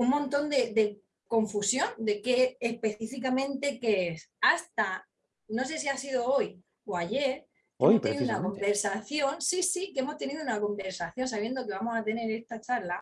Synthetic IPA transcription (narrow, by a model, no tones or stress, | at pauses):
ummõnt̪o̞nd̪e̞d̪e̞ | ko̞ɱfusjõ̞nd̪e̞ke̞ːhpe̞θifikamẽ̞nt̪e̞keesast̪a | no̞s̬e̞s̬iasið̞o̞o̞j | oaʝe̞ɾ | ot̪eniðunakombeɾsaθjo̞nsisikeemo̞st̪e̞niðounako̞mbe̞ɾsaθjõ̞ns̬aβje̞nd̪o̞ke̞βamo̞sat̪e̞ne̞ɾe̞st̪at͡ʃaɾla